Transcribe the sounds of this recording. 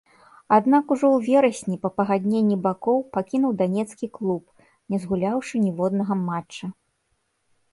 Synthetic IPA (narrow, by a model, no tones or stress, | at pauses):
ad̪nakuʐɔwvʲɛɾɐsʲnʲipɐpɐɣad̪ʲnʲenʲːibakɔwpakʲinuwd̪anʲɛt̪skʲiklˠup̚ | nʲɛzɣulʲawʂɨnʲivɔd̪nɐɣɐmat͡ʂːɐ